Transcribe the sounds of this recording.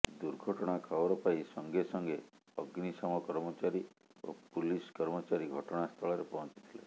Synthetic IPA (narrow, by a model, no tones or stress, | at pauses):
d̪uɾɡʱɔʈɔɽ̃akʰawɔɾɔpaisɔŋɡesɔŋɡe | ɔɡnisamɔkɔɾmɔt͡ʃaɾi | o̰puliskɔɾmɔt͡ʃaɾiɡʱɔʈɔɽ̃ast̪ʰɔɭɔɾepɔɦɔ̃nt͡ʃi̥t̪ʰile